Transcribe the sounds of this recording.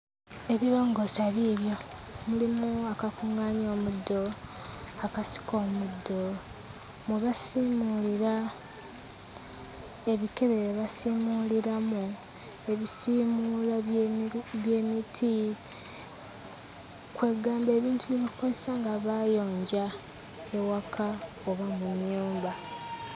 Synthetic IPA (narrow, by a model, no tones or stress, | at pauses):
e̞βiɾo̞ːŋɡo̞saβiβjo̞ | mulimuakakuŋaːɲo̞ːmudːo̞ | akasi̥ko̞ːmudːo̞ | mweβasiːmuliɾa | e̞βike̞βeβasimuliɾamu | e̞βisimuːla | βje̞ːmitʰi | kwe̞ːɡaːmbe̞ːβiːntuβiβikozesaŋɡaβajo̞ːɲɟa | e̞wakʰa | oβamumjuːmba